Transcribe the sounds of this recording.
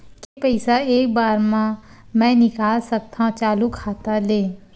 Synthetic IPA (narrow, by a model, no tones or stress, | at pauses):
kipɐɪsaeːkbaːɾmã | mɛ̃nɪkaːlsɐk̚t̪ãt͡ʃaːlukʰaːt̪aleː